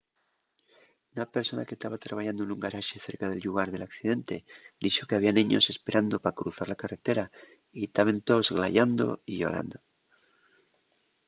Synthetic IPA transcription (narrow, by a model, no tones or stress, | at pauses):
unape̞ɾso̞nake̞st̪aβat̪ɾaβaʝand̪oenuŋɡaɾaʃeθe̞ɾkaðe̞lʎuɣaɾðe̞lakθið̞e̞nt̪e̞d̪it͡ʃo̞ke̞aβianĩɲose̞spe̞ɾand̪o̞pakɾuθaɾlakare̞t̪e̞ɾa | it̪aβe̞nt̪o̞zɣlaʝand̪o̞̰iʝo̞̰ɾa̰nd̪o̞